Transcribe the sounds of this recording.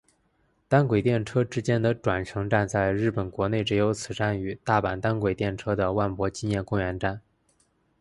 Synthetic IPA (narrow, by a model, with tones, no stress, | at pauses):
t̪a˥nkwe˨˩ɪt̪jɛ˥˩nʈ͡ʂʰɤ˥ʈ͡ʂɻ̩˥t͡ɕjɛ˥nd̪ə˨ʈ͡ʂwa˨˩nʂʰɤ˧˥ŋʈ͡ʂa˥˧nt͡sa˥˧ɪɻɻ̩˥˩pə˨˩nkwɔ˧˥ne˥˩ɪʈ͡ʂɻ̩˥˩jo˧˥ʊt͡sʰɹ̩˨˩ʈ͡ʂa˥˩ny˨˩t̪a˥˩pa˨˩nt̪a˥nkwe˨˩ɪt̪jɛ˥˩nʈ͡ʂʰɤ˥d̪ə˨wa˥˩npwɔ˧˥t͡ɕi˥njɛ˥˧nkʊ˥˧ŋɥɛ˧˥nʈ͡ʂa˥˩n